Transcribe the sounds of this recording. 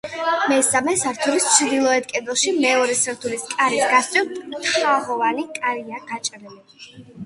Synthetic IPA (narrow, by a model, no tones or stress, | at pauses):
mɛsamɛsaɾt̪ʰuɾist͡ʃʰɾd̪ilˠɔɛt̪̚kʼɛd̪ɛlˠʃimɛɔɾɛsɾt̪ʰuliskʼaɾisɡast̪sʼiwt̪ʼχaʁɔvanikʼaɾiaɡat͡ʃʼɾili